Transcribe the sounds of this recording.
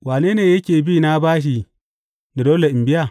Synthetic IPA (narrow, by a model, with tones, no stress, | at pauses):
waː˨neː˦neː˨jɐ˦kʲeː˨biː˦na˦baː˦ʃ̬i˨ | ni˨doː˦le˨ʔɪ˨mbɪ˦ja˨